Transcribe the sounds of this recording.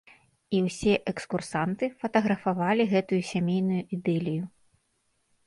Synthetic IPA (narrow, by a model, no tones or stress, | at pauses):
iwsʲɛʔɛkskursant̪ɨfɐt̪ɐɣɾɐfavalʲiɣɛt̪ujusʲamʲejnujuid̪ɛlʲiju